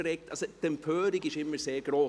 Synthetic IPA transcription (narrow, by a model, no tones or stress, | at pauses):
ɾɛk̚tɑlsəd̥ɛmpʰœːɾiɡɪʃɪmːəɾseːɾɡ̥ɾoː